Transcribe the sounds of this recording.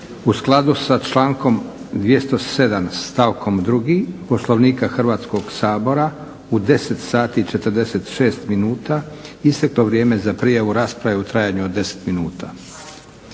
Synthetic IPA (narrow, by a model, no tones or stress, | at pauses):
usklˠad̪usat͡ʃlaːŋko̞md̪ʋje̞st̪o̞se̞d̪amst̪aʋkʰo̞md̪ɾuɡipo̞slˠoʋniːkaxr̩ʋaːt̪sko̞ɡsaːbo̞ɾa | ud̪e̞se̞t̪saːt̪it͡ʃe̞t̪əɾd̪ese̞t̪ʃe̞ːst̪minuːt̪aist̪ekloʋɾjeːme̞zapɾiːjaʋuɾaːspɾaʋeut̪ɾaːjaɲuod̪ːe̞se̥t̪minuːt̪a